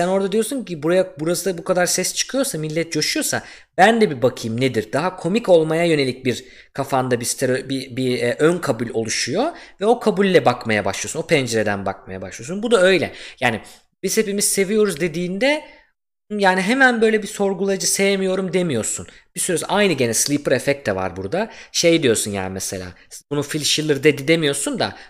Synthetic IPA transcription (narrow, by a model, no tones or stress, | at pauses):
sæno̞ɾd̪ad̪ijosuɲcibuɾajabuɾasɯd̪bukʰad̪aɾsɛst͡ʃʰɯ̥kʰɯjo̞ɾsamilʲːɛt̪̚d͡ʒoʃujo̞sa | bænd̪ɛbibakʰɯjmned̪iɾd̪aɦakʰo̞miko̞lˠmajajø̞ne̞lʲic̚biɾ | kʰafand̪abist̪ʰeɾøbibiːʔønkʰabulʲo̞̰lˠuʃujo̞vɛo̞kʰabulʲːɛbakmajaba̰ʃlˠiosuno̞pʰɛnd͡ʒeɾe̞d̪ænba̰kmaja̰ba̰ʃlˠɯjosunbud̪aø̞jlʲɛ̰jaːni | biz̥he̞pimiz̥se̞vijo̞ɾuzd̪e̞d̪iːnd̪ɛ | jaːniɦemænbø̞jlʲɛbiso̞ɾɡulˠad͡ʒɯsejemijo̞ɾumd̪e̞mijo̞ɾsunb̥isyɾɛsajnɯɟe̞nɛslˠipɯɾefɛc̚t̪ʰːɛva̰ɾbuɾd̪aʃe̞jd̪ijo̞sunja̰ːnimɛse̞lʲa̰ːbunufilʲʃilˠɯɾd̪ed̪id̪emijo̞sund̪a̰